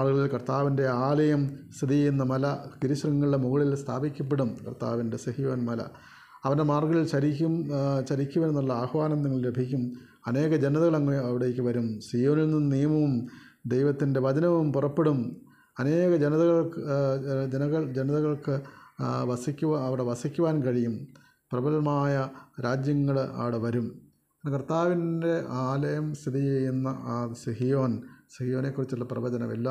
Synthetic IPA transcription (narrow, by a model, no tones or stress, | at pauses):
maːrɡɐɭilkɐrt̪aːʋinde̞aːlɐjɐmst̪ʰiðijjenːɐmɐlɐkiɾiɕrɐŋːɐɭɽemuɣɐɭilst̪ʰa̰ːbikʲːɐp̬ːeɽumkɐ̰rt̪a̰ːʋinde̞sɐhijɐʋɐnmɐlɐ̰ | ɐʋɐndemaːrɡɐɭilɕɐɾikʲːumɕɐɾikʲːuʋɐne̞nːuɭːɐaːhɐʋaːnɐmniŋːɐɭɾebʱikʲːum | ɐne̞ːɣɐd͡ʑenɐðɐɣɐɭɐŋːɐmeɐʋiɽeːkʲːɨʋɐɾumsijo̞ːnilnːumnijɐmɐʋum | d̪ejʋɐt̪ːinde̞ʋɐd̪ɐnɐʋumpurɐpːe̞ɽum | ɐne̞ːɣɐd͡ʑenɐðɐɣɐɭk | d͡ʑenɐɣɐɭd͡ʑenɐðɐɣɐɭkɨʋɐsikʲːuʋaɐʋiɽe̞ʋɐsikʲːuʋaːnkɐɻijum | prɐbɐlɐmaːjɐɾaːd͡ʑjɐŋːɐɭɐ̰ʋiɽe̞ʋɐɾum | ɐnːɐkɐrt̪aːʋinde̞ʔaːlɐjɐmst̪ʰid̪it͡ɕejːunːɐʔaːsiɦijo̞ːnsihijo̞ːne̞kːurit͡ɕːuɭːɐprɐʋɐd͡ʑɐnɐ̰mḛlːɐ